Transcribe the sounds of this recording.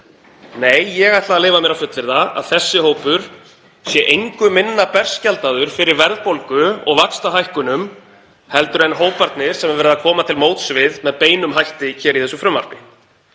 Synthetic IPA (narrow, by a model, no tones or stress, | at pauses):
neːjːɛɣajht̪laːleːjvamjɛɾawfʏt̪lɪɾðaa̰ðθɛsːɪɦoːwpʏɾ̥ | sjɛʔejŋkʏmɪnːapɛr̥scalt̪aðʏɾ̥fɪɾɪɾvɛɾðpowlkʏɔ̰ɣvakst̪aɦajhkʏnʏm | hɛlt̪ʏɾɛnɦoːwpaɾt̪nɪɾ̥sɛmɛɾvɛːɾɪðakʰɔːmat̪ʰɪlmoːwt̪svɪðmɛðpeːjnʏmɦajht̪ɪçɛːɾiθɛsːʏfɾʏmːa̰ɾ̥pɪ